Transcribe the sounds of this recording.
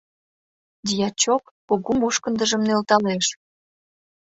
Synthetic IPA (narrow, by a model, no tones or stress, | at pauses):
d̪ʲijɑt͡ɕokːoɣumuʃkənd̪ə̆ʒə̆mnelt̪ɑleʃ